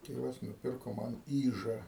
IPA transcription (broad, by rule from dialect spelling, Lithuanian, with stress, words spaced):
ˈtʲeːʋɐs nʊˈpʲɪrkoː ˈmɐn ˈiːʒɐ